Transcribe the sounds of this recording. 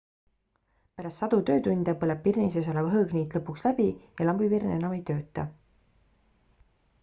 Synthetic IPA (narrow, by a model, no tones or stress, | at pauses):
pæɾɑst̪sɑd̪̥ut̪ø̞ːt̪unʲd̪̥ɑpɤleb̥̚pirnises̬ɑlɑvɦɤɡniːt̪lɤpːˑukslæb̥ijɑlɑmbivirne̞nɑme̞jt̪øːt̪ːˑɑ